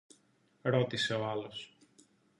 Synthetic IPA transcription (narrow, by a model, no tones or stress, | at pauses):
ɾo̞t̪ise̞oalo̞s